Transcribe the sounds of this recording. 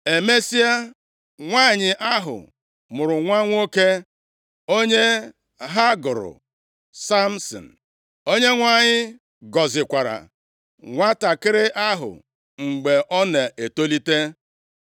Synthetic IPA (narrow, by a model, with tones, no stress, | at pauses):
e˨me˦si˦a˦ | ŋʷaː˦˨ɲɪ˨ʔa˦ɦʊ̰˨ | mʊ˨ɾʊ˨ŋʷa˦ŋʷ˦o˦ke˦ | o˦ɲe˦ | ɦa˦ɡʊ˨ɾʊ̰˨ | sa˦m̩˦sɔ̰˨n̩˨ | o˦ɲe˦ŋʷa˦˨ɲɪ˦ | ɡɔ˨zɪ˨kʷa˨ɾa̰˨ | ŋʷa˦ta˨kɪ˦ɾɪ˦ʔa˦ɦʊ̰˨ | ŋ͡m̩˨ɡ͡be˨ʔɔ˦ne˨ʔe˨to˦li˦te˦